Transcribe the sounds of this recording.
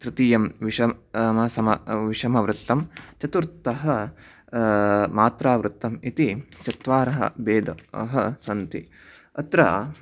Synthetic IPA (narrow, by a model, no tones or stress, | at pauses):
t̪ɾɪt̪ijɐmʋiʂɐmɐsɐmɐʋiʂɐmɐʋɾut̪ːɐmt͡ʃɐt̪uɾt̪ːɐɦɐ | maːt̪ɾaːʋɾut̪ːɐmit̪it͡ʃɐt̪ʋaːɾɐɦɐ̰beːd̪ɐɐ̰ɦɐsɐnt̪i | ɐt̪ɾɐ̰